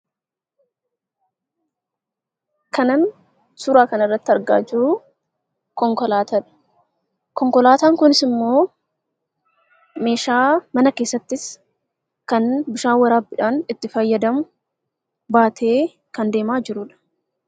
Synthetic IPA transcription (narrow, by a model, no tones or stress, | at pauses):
kɐnɐn | sʊɾaːkɐnɪrːɐt̪ːɪɐɾɡa̰ːd͡ʒɪɾʊ | kɔŋkɔlaːt̪ɐᶑɐ̥ | kɔŋkɔlaːt̪aːŋkʊnɪsɪmːo̞ː | me̞ːʃaːmɐnɐke̞ːsːɐt̪ːɪs | kɐnbɪʃaːwɐɾaːbɪᶑaːnɪt̪ːɪfɐjːɐd̪ɐmʊ | baːt̪ʰeː | kɐnd̪e̞ːmaːd͡ʒɪɾʊᶑɐ̥